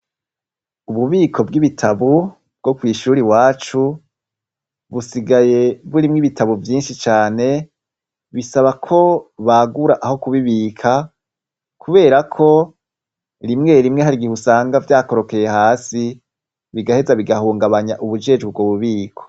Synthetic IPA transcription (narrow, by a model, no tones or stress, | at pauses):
uβuβiːkʰo̞b̚ɡiβitʰaβu | b̚ɡ̥o̞kwiːʃuːɾiwaːt͡ʃu | βusiɡaje̞βuɾimŋiβitʰaβuvjiːnʃit͡ʃaːne̞ | βisaβakʰo̞βaɡuɾaʔaho̞kuβiβiːkʰa | kʰuβe̞ːɾakʰo̞ | ɾimŋe̞ɾimŋeɦaɾiɡihusaːŋɡavjaːko̞ɾo̞ke̞je̞haːsi | βiɡahe̞zaβiɡahuːŋɡaβaɲaʔuβud͡ʒe̞ːd͡ʒɡib̚ɡoːβuβiːkʰo̥